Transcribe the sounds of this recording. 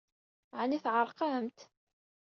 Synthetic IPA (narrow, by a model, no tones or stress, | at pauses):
ʕaniθʕəɾˤqɑmt̪